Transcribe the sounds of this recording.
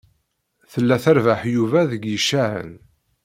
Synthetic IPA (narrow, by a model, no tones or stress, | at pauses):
θəlːæθæɾvaħjuvæðəɡjəʃːaʕə̰n